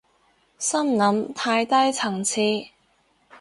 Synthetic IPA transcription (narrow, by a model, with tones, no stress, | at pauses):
sɐ˥mnɐ˨˥mt̪ʰaː˧jt̪ɐ˥jt͡sʰɐ˨˩ŋt͡sʰiː˨˧